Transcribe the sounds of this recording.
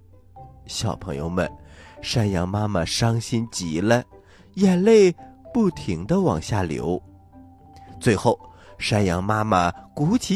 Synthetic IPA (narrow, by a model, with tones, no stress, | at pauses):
ɕjɑ˨˩ʊpʰɤ˧˥ŋjo̰˧ʊmə̰˧˩nʂa˥njɑ˧˥ŋma˥mə˨˩ʂɑ˥ŋɕi˥nt͡ɕi˧˥lə˧ | jɛ˨˩nle˥˧ɪpu˥˩t̪ʰi˧˥ŋd̪ə˧wɑ˨˩ŋɕja˥˩ljo̰˧˥ʊ | t͡swe˥˧ɪxo˥˩ʊ | ʂa˥njɑ˧˥ŋma˥mə˨ku˧˥t͡ɕʰi˧˥